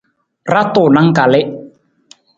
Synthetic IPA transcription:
ra˦t̪o˨na˦ŋka˨le˦ʔ

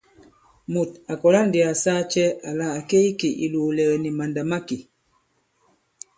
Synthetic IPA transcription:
mu˨ta˨kɔ˨la˦n˦di˨a˨saː˦t͡ʃɛ˦a˨la˨a˨ke˦i˦ki˨ʔḭ˨luː˨lɛ˨ni˨ma˨nda˨ma˦ki˨

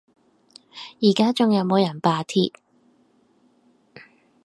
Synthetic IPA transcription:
jiː˨˩kaː˥t͡sʊ˨ŋjɐ˨˧wmo˨˧wjɐ˨˩npaː˨˧t̪ʰiː˧t̚

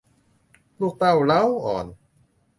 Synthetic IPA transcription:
lu˥˩k̚t̪a˥˩wla˦˥wʔɔː˨˩n

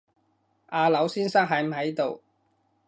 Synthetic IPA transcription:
ʔaː˧lɐ˨˥wsiː˥nsaː˥ŋɦɐ˨˥jm̩˨ɦɐ˨˥jt̪o˨˧w

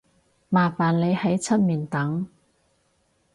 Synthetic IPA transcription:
maː˨˩faː˨˩nle˨˧jhɐ˨˥jt͡sʰɐ˥t̚miː˨˩nt̪ɐ˨˥ŋ

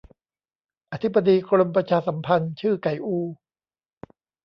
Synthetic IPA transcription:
ʔa˧t̪ʰi˦˥ba˧diː˧kʰɾo˧mp̬ɾa˧t͡ɕʰaː˧sa˩˦mpʰa˧nt͡ɕʰɯː˥˩ka˨˩jʔuː˧˩

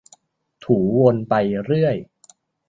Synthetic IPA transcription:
t̪ʰuː˩˦wo˧npa˧jɾɯ˥˩əj

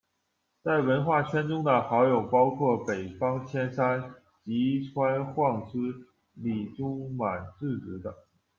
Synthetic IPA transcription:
t͡sa˥˩ɪwə˧˥nxwa˥˩t͡ɕʰɥɛ˥nʈ͡ʂʊ˥ŋd̪ə˨xɑ˧˥ʊjo˨˩ʊpɑ˥ʊkʰwɔ˥˩pe˨˩ɪfɑ˥ŋt͡ɕʰjɛ˥nʂa˥n | t͡ɕi˧˥ʈ͡ʂʰwa˥nxwɑ˥˩ŋʂɹ̩˥ | li˨˩ʈ͡ʂʊ˥ŋma˨˩nt͡sɹ̩˥˩ʈ͡ʂɻ̩˧˥d̪ə˧

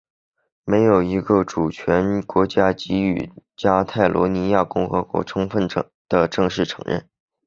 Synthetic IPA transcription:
me˧˥ɪjo˨˩ʊi˧˥ɡə˧ʈ͡ʂu˨˩t͡ɕʰɥɛ˧˥nkwɔ˧˥t͡ɕja˥t͡ɕi˥y̰˥˩t͡ɕja˥t̪ʰa˥˩ɪlwɔ̰˧˥ni˧˥ja˥˩kʊ˥˩ŋxɤ˧˥kwɔ̰˧˥ʈ͡ʂʰʊ˥ŋfə˥˩n | d̪̥ə˩ʈ͡ʂɤ˥˧ŋʂɻ̩˥˩ʈ͡ʂʰɤ̥˧˥ŋɻə̰˥˩n

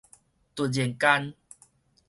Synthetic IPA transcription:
t̪u˨˩d͡ʑi˨˩ŋka˦n

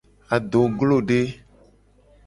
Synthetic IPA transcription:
a˨do˨ɡlo˦˨ɖe˦

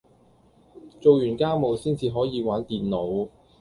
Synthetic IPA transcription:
t͡so˨wjyː˨˩nkaː˥mo˨˧wsiː˥nt͡siː˨˧ɦɔː˨˥jiː˨˧waː˨˥nt̪iː˨nːo˨˥w

